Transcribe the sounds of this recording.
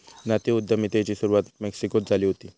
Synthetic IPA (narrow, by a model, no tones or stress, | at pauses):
nat̪eud̪ʱːəmit̪et͡ɕiːsuɾuʋat̪meksikot̪̚d͡zʱaliːɦot̪iː